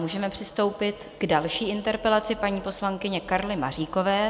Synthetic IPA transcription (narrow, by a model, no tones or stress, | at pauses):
muːʒɛmɛpr̥ɪst̪o̞wpɪt̪ɡdalʃiːɪnt̪ɛɾpɛlat͡sɪpaɲiːpo̞slaŋkɪɲɛkaɾlɪmar̝iːko̞vɛː